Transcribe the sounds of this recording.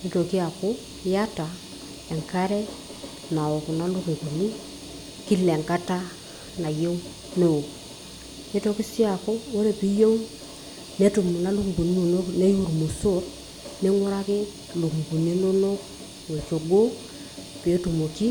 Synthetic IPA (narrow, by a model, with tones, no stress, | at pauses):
ne˦to˨ki˦a˨ko˦ | ja˦ta˨ | e˨ŋka˦ɾe˦ | na˨wo˨ku˨na˦lu˦ke˨ku˨ni˦ | ki˦le˨ŋka˦ta˦ | na˨jo˦ | no˦wo˨ | ne˦to˨˦ki˦si˦a˨ko˦wo˦ɾe˨pi˦jo˦ŋ | ne˦tu˨mu˨na˦lu˦kbu˨ni˦no˨no˦kne˦ju˦˨ɾmo˨so˦ɾ | ne˦ŋu˦ɾa˦kɪ˦ | lu˨kɡu˨ni˦no˦no˦k | wo˨t͡ʃo˨ɡo˦ | pi˨e˦tu˨mo˨ki˦